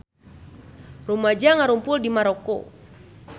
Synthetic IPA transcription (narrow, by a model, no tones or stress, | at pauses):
rumad͡ʒaŋaɾumpʊldimaɾoko̰